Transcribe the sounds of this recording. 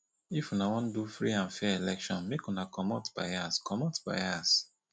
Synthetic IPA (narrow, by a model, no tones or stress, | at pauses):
ifunawɔ̃ndufɹiãnfɛɛlɛkʃɔ̃nmekunakʰɔmɔtb̥a̰ɪaskʰɔmɔtb̥a̰ɪas